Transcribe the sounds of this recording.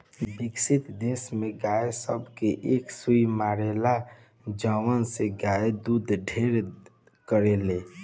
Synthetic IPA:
bɪksɪt̪d̪esmẽɡaːesəbʱkeʔeːksuimaːɾela | d͡ʒəwənseɡaed̪ud̪ɖʱeɾ | kəɾeleː

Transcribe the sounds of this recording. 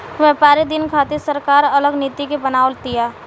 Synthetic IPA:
ʋɛːpaːɾed̪ɪnkʰaːt̪esəɾkaːɾɐləɡnɪːt̪ikepɐnaːʋlt̪ɪjaː

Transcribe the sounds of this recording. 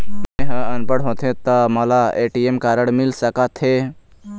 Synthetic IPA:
ẽɦə̃ənpəɽɦõːt̪ʰẽt̪amɐlaeːʈiemkaːɾəɽmɪlsəkat̪ʰɦe

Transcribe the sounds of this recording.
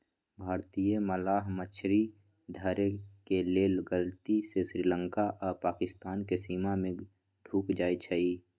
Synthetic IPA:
bʱaːɾt̪ijeməlaːɦmət͡ʃʰɾi | d̪ʱəɾekeleːlɡəlt̪isesɾiːlə̃ŋkaʔɔːɾpaːkɪst̪aːnkesiːmamẽ | ɖʱuːkd͡ʒaːit͡ʃʰəiː

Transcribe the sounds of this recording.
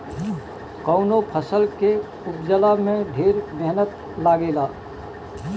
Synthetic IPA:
kɔʊnopʰəsəlke | ʊp̚d͡ʒəlamẽbʱiːɾmɛɦnət̪ | laːɡeːlaː

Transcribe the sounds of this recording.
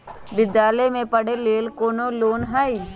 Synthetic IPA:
bɪd̪ːaːlemẽpəɽeleːlkoːnoloːnɦaːi

